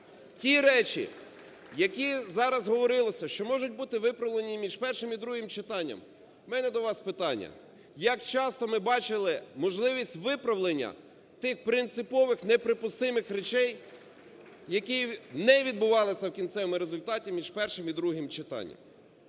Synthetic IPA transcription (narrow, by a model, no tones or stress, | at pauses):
tʲiɾɛt͡ʃḭ | jɐkʲizɑɾɐzɦɔʋɔɾɪlˠɔsʲɐʃt͡ʃɔmɔʒʊt̚ʲbut̪ɪʋɪpɾɐʋlˠenʲimʲiʒpɛrʃɪmid̪ɾuɦɪmt͡ʃɪt̪ɑnʲːɐ̰m | mɛnɛd̪ɔʋɑspɪt̪ɑnʲːɐ̰ | jɐkt͡ʃɑst̪ɔmɪbɑt͡ʃɪlˠɪmɔʒlˠɪʋʲisʲtʲʋɪpɾɐʋlˠenʲːɐ̰ | t̪ɪxpɾɪnt̪sɪpɔʋɪxnepɾɪpʊst̪ɪmɪxɾet͡ʃɛj | jɐkʲinɛʋʲid̪̚bʊʋɑlˠɪsʲɐwkʲint̪sɛʋmɪɾezʊlʲt̪ɑtʲimʲiʒ̥pɛrʃɪmid̪ɾuɦɪmt͡ʃɪt̪ɑ̰nʲːɐ̰m